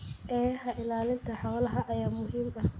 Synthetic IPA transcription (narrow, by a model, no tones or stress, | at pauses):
ʔɛːhɐʔɪlaːlɪnt̪ʰɐħɔːlɐɦɐʔɐjaːmʊɦiːmɐ